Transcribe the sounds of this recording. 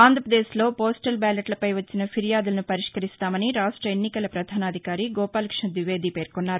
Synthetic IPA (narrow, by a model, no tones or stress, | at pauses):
aːnd̪ʱɾɐpɾɐd̪eːslo̞ːpoːsʈɐlbaːlɐʈlɐpɐjʋɐt͡ʃːinɐpʰiɾijaːd̪ulɐnupɐɾiʂkɐɾist̪aːmɐniɾaːʂʈɾɐenːikɐlɐpɾɐd̪ʱaːnaːd̪ʱikaːɾiɡɔːpaːlɐkʂɐd̪ʋiʋe̞ːd̪ipe̞ːɾkɔnːaːɾu